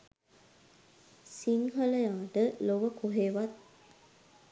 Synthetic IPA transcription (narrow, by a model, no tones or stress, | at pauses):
siŋɦələjaːʈəloʋəkoɦeːʋat̪̚